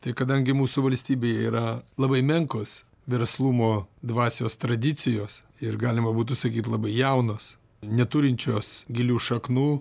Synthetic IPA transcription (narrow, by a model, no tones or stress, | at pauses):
t̪ɐɪkɐd̪ɐŋʲɡʲɪmuːsʊʋɐlʲsʲt̪ʲiːbʲeːjɛiːɾɐlˠɐbɐɪmʲɛŋkoːs | ʋʲɛɾslˠuːmoːd̪ʋɑːsʲoːst̪ɾɐd̪ʲɪt͡ssʲɪjoːs | ɪɾɡɑːlʲɪmɐbuːt̪ʊsɐkʲiːt̪lˠɐbɐɪjɛʊnoːs | nʲɛt̪ʊɾʲɪnʲt͡ʃʲoːsɡʲɪlʲuːʃɐknuː